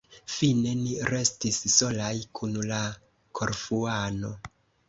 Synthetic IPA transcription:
fine̞niɾe̞stisso̞lajkʰunla | kʰo̞̰ɾfuano̞

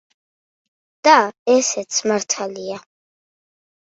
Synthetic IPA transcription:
d̪̥aɛsɛt̪sʰmaɾt̪ʰalia

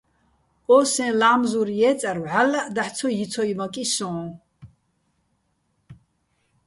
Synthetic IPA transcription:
ɔsɛ̃laːmzuɾjɛːt͡sʼaɾwʕalːaʔd̪aħt͡sʰɔjit͡sʰɔjmakʼisɔ̃ː

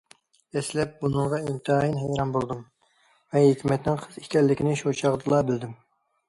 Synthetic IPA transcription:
ɛslɛp̚bunɨŋʁɑimt̪ʰɨɑjinɦɛjɾɑnbolˠd̪um | vɛɦikʲmɛt̪nɪŋqʰəzikʲɛlːɪkʲinɪʃot͡ʃʰɑʁd̪ɨlˠɑbɪld̪ɪm

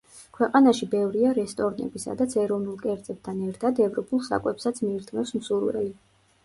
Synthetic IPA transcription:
kʰwɛqʼanaʃibɛvɾiaɾɛst̪ʼɔɾnɛ̰bisa̰d̪at̪sʰɛɾɔvnulˠkʼɛɾt̪sʼɛb̚t̪ʰanɛɾt̪ʰad̪ɛvɾɔpʰʼulˠsa̰kʼwɛpsat̪sʰmiːɾt̪ʰmɛfsmsuɾvɛ̰li

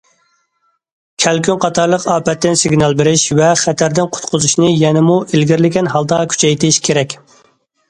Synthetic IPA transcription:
kʲʰɛlkʲynqʰɑt̪ʰɑɾlˠəqɑːpɛt̪ːɪnsɪɡʲnɑlˠbeɾɪʃvɛχæt̪ʰæɾd̪ɪnqʰʊ̥t̪qʰʊzuʃnɨjɛnɪmuʔelɡʲɪɾlɪɡʲɛnɦɑlˠd̪ɑkʲʰy̥t͡ʃʰɛjt̪ʰɪʃkʲʰeɾɛkʲ

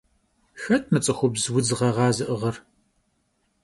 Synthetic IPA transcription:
xɐtʰmɨt͡sʼɨxʷʊbzwʊd͡zɨʁɐʁɑːzɨʔɨʁɐr

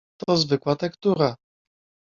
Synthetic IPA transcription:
t̪ɔzvɘkwat̪ɛkt̪uɾa

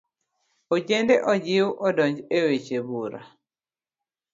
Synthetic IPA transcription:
od͡ʒendeʔɔd͡ʒɪwʔɔdɔɲd͡ʒewet͡ʃebuɾa̰

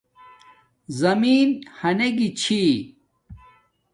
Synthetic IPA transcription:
zɐmiːnhɐneɡit͡ɕʰi

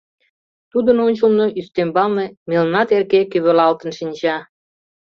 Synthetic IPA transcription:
t̪ud̪ənonʲt͡ɕəlnoʔyst̪embɑlnemelnɑt̪erkekyβølɑlt̪ə̆nʃinʲt͡ɕɑ

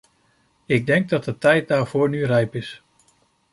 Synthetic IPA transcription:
ɪɡ̚dɛŋɡ̚dɑt̚dətɛjt̚daːɹv̥ʊːɹnyrɛjpɪs

